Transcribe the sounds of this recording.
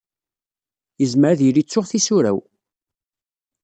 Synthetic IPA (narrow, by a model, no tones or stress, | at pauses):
jəzməɾðilit͡sːʊʁθisuɾæ̰w